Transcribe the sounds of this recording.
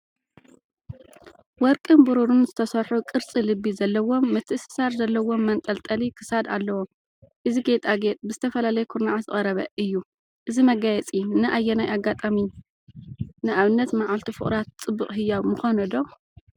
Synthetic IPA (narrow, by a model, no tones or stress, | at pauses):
wɔɾkʼɨnbɨɾuɾunzɨt̪ʰɐsɐɾħukʼɨɾt͡sʼilɨbːizɐlːɐwo̞mːɨt̪ʰːɨɨsɨ̥saɾzɐlːɐwo̞mːɐnt̪ʼɐlt̪ʼɐlikʰɨ̥sad̪a̰lːɐwo | ʔɨziɡet̪ʼaɡet̪ʼbɨzɨt̪ʰɐfɐlalɐjɛkʰuɾnaʕazɨχʼɐɾɐβɐʔɨjːu | ʔɨzimɐɡajɛt͡sʼinɨʔajːɛnajaɡːat̪ʼami | nɨʔaβɨnːɐt̪maʕalt̪ʰifɨ̰χʼɾat̪t͡sʼɨbːɨχʼɦɨjːaβmɨxanɐd̪o